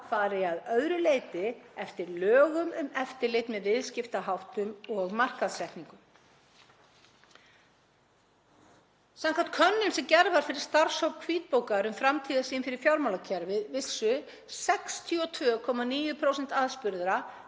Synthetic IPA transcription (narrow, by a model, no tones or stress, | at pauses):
faːɾɪaðœðɾʏleːjt̪ɪɛft̪ɪɾlœːɣʏmʏmɛft̪ɪɾlejt̪nmɛðvɪðscɪft̪aɦawht̪ʏmɔɣmar̥kaðsɛht̪niŋkʏm | saŋkʰam̥t̪kʰœnːɪnsɛmcɛɾvaɾ̥fɪɾɪɾ̥st̪aɾ̥sowkʰviːt̪̚poːwkaɾʏmfɾamt̪ʰiːðasiːɪmfɪɾɪɾ̥fjawɾmawlacʰɛɾvɪðvɪlsʏ | sɛkst̪ʰiɔt̪ʰvœːkʰɔːmaniːjʏpʰɾowsɛn̥t̪aðspʏɾðɾa